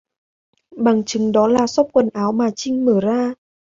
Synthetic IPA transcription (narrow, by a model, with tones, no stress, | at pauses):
ɓa˨˩ŋt͡ɕɨ˨˦ŋɗɔ˨˦laː˨˩sɔ˦˥p̚kwə˨˩nʔaː˨˦wmaː˨˩t͡ɕï˧ŋ̟məː˧˩zaː˧